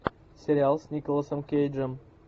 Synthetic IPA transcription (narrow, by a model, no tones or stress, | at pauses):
sʲeɾʲɪalˠsʲnʲikolˠəsəmkʲejd͡ʒəm